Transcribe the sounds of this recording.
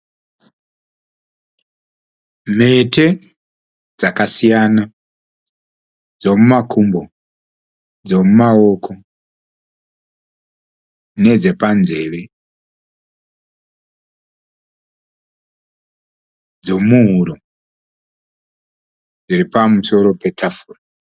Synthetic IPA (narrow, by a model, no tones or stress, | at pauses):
m̤e̞tʰe̞ | d͡zakasijana | d͡zo̞mumakʰumbo | d͡zo̞mumao̞kʰo̞ | ne̞d͡ze̞panze̞ʋe̞ | d͡zo̞muɦuɾo | d͡ziripamuso̞ɾo̞pe̞tʰafuːra